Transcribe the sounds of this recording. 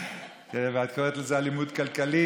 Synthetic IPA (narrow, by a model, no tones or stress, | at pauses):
keveat̪kʰoʁet̪lezealimud̪kalkali